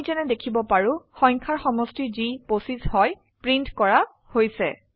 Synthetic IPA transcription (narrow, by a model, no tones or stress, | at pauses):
zɛnɛdekʰibɔpaɹʊ̃xɔjŋkʰaɹxɔmɔstiziposizhɔj | pɹintkɔɹa | hojsɛ̰